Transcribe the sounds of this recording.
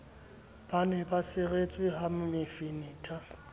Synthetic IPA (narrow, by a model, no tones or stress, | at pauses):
b̥anɛbasɪret͡sʼwɪɦamʊmɪfiniːtʼʰa